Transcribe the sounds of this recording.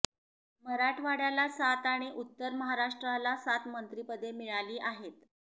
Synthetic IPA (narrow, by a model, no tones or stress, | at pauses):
məɾaʈʰʋaɽjalasat̪aɽ̃iʔut̪ːəɾməɦaɾaʂʈɾalasat̪mənt̪ɾipəd̪ʱemiɭaliːʔaɦet̪